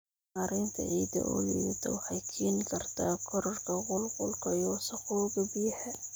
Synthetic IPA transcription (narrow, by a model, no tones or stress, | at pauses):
aɾɪnt̪ʰɐ̰ʕiːd̪ɐ̰ʔɔ̰liwɐt̪ʰɐwɑħɑjkʰiːnɪkʰɐrt̪ʰaːkʰɔɾɔrkʰɐqʊlqʊlkʰɐjɔːsɐxɔːɣɐbiːħɛ